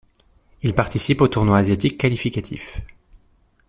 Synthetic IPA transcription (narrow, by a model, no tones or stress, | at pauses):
ilpaʁt̪isipot̪uʁnwaːzjat̪ikːalifikat̪ʰḭf